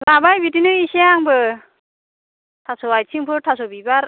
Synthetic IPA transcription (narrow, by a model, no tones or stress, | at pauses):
labajbitinɯiseaŋbɯ | tʰasɔajsʰiŋpʰɯɾtʰasɔbibaɾ